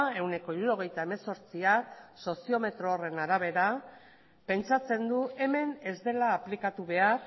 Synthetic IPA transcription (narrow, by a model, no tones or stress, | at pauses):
e̞wne̞ko̞iɾuɾo̞ɣ̞e̞jt̪ae̞me̞so̞ɾt͡siakso̞sio̞me̞t̪ɾo̞ːre̞naɾaβ̞e̞ɾa | pe̞nt͡sat͡se̞nd̪ue̞me̞ne̞zd̪e̞laːplikat̪uβe̞aɾ